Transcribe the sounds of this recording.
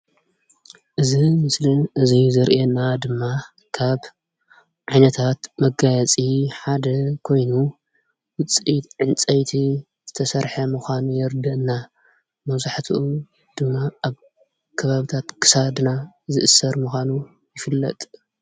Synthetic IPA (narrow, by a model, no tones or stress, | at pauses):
ʔɨzimɨslinʔɨzizɐɾʔenad̪ɨmːa | kʰaβ | ʕajnɐt̪ʰat̪mɐɡajɐt͡sʼiħad̪ɐkʰo̞jnu | wɨt͡sʼit̪ʕɨnt͡sʼɐjt̪ʰi | z̥ɨt̪ʰɐsɐɾħɐmɨxʷanujɛɾd̪ɐʔɨnːa | mɐβzaħt̪ʰiʔu | d̪̥ɨmːaaβ | kʰɐβaβit̪ʰat̪kʰɨ̥sad̪nazɨʔɨsːɐɾmɨxʷanu | jɪfɨlːɐ̰t̪ʼ